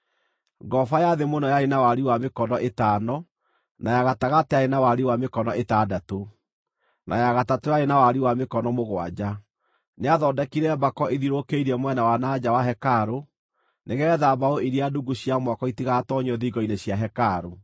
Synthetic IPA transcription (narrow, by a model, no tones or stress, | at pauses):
ɡɔfajaðemonɔjaɾenawaɾiwamekɔnɔʔetaːnɔ | najaɣataɣatɛaɾenawaɾiwamekɔnɔʔetadato | na̰jaɣatatojaɾenawaɾiwamekɔnɔmoɣwa̰d͡ʑa | neaðɔdɛkiɾɛbakɔʔeðiɾokeiɾɛmwɛnawanad͡ʑawaɦɛkaɾo | neɣɛðabaoiɾiaduɡuɕjamwakɔitiɣaːtɔɲɔðiɡɔineɕjaɦɛkaɾo